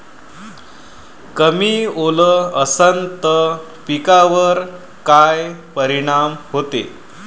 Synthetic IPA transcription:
kəmiːoləəsənt̪ə | pikaʋəɾ | kajpəɾiɽ̃amhot̪ḛ

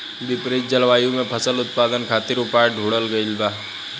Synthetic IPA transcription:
bɪpɾeːd͡ʒəlʋaːjõmẽpʰəsəlʊt̪̚paːd̪ənkʰaːt̪ɪɾʊpaːjɖʱuːɽəlɡəilbaːɦ

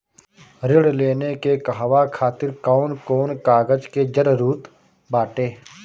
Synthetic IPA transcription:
ɾɪɽleːnekekəɦʋakʰaːt̪ɪɾkaːnkoːnkaːɡəd͡ʒked͡ʒəɾɾuːt̪ | baːʈeː

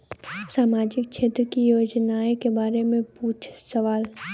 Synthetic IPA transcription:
saːmaːd͡ʒɪk̚t͡ʃʰeːt̪ɾəkijoːd͡ʒnaːekebaːɾemẽpuːt͡ʃʰsəʋaːl

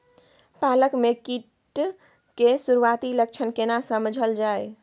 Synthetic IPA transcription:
paləkmekiʈ | kesuɾuat̪ilək̚t͡ʃʰənkenasəməd͡ʒʱəld͡ʒaj

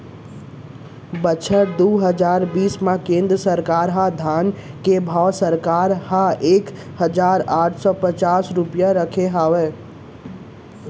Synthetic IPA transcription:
bət͡ʃʰəʈ̚d̪oːɦəd͡ʒaːɾbiːsmãkẽːnd̪ɾəsəɾkaːɾɦãd̪ʱaːn | kebʱaːsəɾkaːɾɦãeːk | həd͡ʒaːɾaːʈʰsɔpət͡ʃaːsɾʊpjaɾəkʰeɦaːʋɛ̃ː

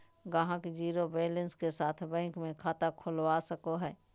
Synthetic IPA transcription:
ɡəɦãkd͡ʒiːɾobeːlənskesaːt̪ʰbɛ̃ːŋkmẽkʰaːt̪akʰʊlwasəkoɦɛː

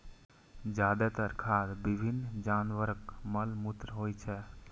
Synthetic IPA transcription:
d͡ʒaːd̪ɛt̪əɾkʰaɾbibʱinːd͡ʒanʋəɾəkməlmut̪ɾəɦojt͡ʃʰɛ

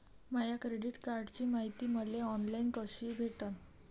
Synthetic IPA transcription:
majakɾeɖiʈkaɾɖt͡ɕiːmaɦit̪iːməleɔnlainkəɕiɡʱeʈan

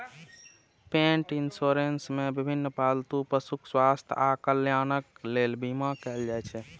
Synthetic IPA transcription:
pẽɳʈinsoɾensmebibʱinːpalt̪upəsukʰswast̪ʰakəljanəklelbimakɛld͡ʒajt͡ʃʰɛ

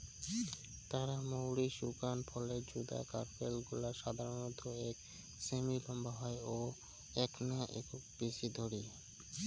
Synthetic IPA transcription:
t̪aɾamowɽiʃukanpʰɔled͡ʑud̪a̰ka̰ɾpelɡulaɾʃad̪ʱaɾonɔt̪oɛk | semilɔmbaɦɔeo | ɛknaʔḛkubisid̪ʱoɽi

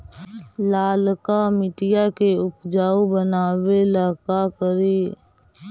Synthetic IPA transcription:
laːlkamɪʈɪjakeʊpd͡ʒaːobənaːwelaːkakəɾeː

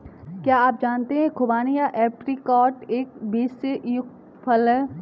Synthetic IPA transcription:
kjaːaːp̚d͡ʒaːnt̪eɦɛ̃kʰʊbaːnijaʔɛːpɾikɔːʈeːk̚biːssejʊk̚t̪ | pʰəlɦɛː

